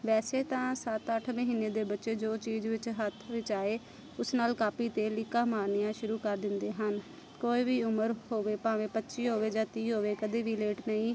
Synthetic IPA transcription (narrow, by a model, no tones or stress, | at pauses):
ʋɛːseːt̪ãːsət̪əʈʰməɦiːnːeːd̪eːbətːʃeːd͡ʒoːt͡ʃiːd͡ʒʋɪt͡ʃɦət̪ʰʋɪt͡ʃaːeː | ʊsnaːlkaːpiːt̪eːlɪkãːmaːɾnijãːʃʊɾuːkəɾd̪ɪnd̪eːɦən | koːiːʋiːʊməɾɦoːʋeːpãːʋẽːpətːʃiːɦoːʋeːd͡ʒãːt̪iːɦoːʋeːkəd̪eːʋiːleːʈnəĩː